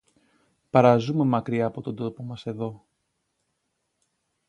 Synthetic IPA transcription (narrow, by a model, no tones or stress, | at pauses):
pɐɾɐzume̞mɐkɾiɐːpo̞t̪o̞d̪o̞po̞mɐse̞ðo̞